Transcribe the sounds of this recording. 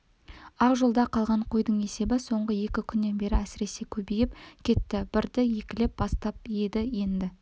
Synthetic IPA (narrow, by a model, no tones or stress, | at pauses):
ɑqʒolˠd̪ɑqʰɑlˠʁɑɴqʰojd̪əɴe̞se̞bɪso̞ɴʁəje̞kʲɪkʲʰʏnːe̞nbe̞ɾɪæsɪɾe̞se̞kʲʰɵbejɪpkʲʰe̞t̪ːɪb̥ɪɾd̪ɪje̞kʲɪle̞p̚bɑst̪ɑp̚jed̪ɪje̞nd̪ɪ